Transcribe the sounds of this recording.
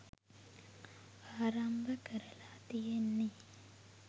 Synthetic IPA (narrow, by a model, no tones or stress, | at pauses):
aːɾambɐkɐɾɐlaːt̪ijenːi